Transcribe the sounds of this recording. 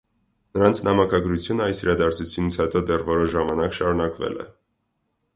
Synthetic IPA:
nəɾɑnt͡sʰnɑmɑkɑɡɾut͡sʰjunəɑjsiɾɑd̪ɑɾt͡sʰut͡sʰjunit͡sʰhɛt̪ɔd̪ɛrvɔɾɔʒɑmɑnɑkʃɑɾunɑkvɛ̰lɛ̰

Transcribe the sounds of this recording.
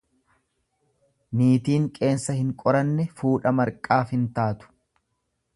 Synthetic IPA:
niːt̪iːŋkʼe̞ːnsɐhɪŋkʼɔɾɐnːɛfuːᶑɐmɐɾkʼaːfhɪnt̪aːt̪ʊ̥

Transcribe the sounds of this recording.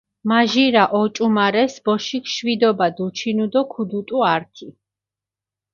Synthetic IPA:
maʒiɾaʔɔt͡ʃʼumaɾɛsbɔʃikʃwid̪ɔbad̪ut͡ʃʰinud̪ɔkʰud̪ut̪ʼuaɾt̪ʰi

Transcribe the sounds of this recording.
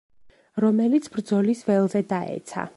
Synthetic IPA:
ɾɔmɛlit̪sʰb̥ɾd̪zɔlisvɛlˠzɛd̪aʔɛ̰t̪sʰa̰

